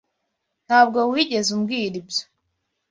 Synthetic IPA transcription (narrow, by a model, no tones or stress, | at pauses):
n̥haːb̚ɡo̞wiɟe̞zumɡiːɾibjo̥